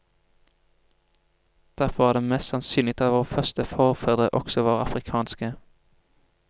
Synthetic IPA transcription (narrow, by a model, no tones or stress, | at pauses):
d̪̥æʁfɔʋɑːd̪eːmɛst̪sɑnsyːlɪt̪ʰɑʋoːʁfœʁst̪əfɔːʁfœd̪ʁəʔɔksɔʋɑːʁəɑfʁɪkʰɑːnskə